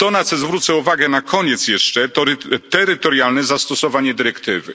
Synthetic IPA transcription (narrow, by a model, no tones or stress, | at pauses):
t̪ɔnat̪sɛzvɾut̪sɛuvaɡɛnakʰɔɲɛt̪sjɛʂt͡ʂɛt̪ɔɾt̪ɛɾɘt̪ɔɾjalnɛzast̪ɔsɔvaɲɛd̪ɘɾɛkt̪ɘvɘ̰